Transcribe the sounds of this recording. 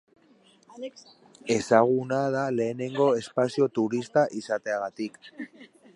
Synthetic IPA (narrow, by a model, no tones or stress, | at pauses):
e̞saɣ̞unað̞ale̞ːne̞ŋɡo̞e̞spasio̞t̪uɾist̪aʔisat̪e̞aɣat̪ik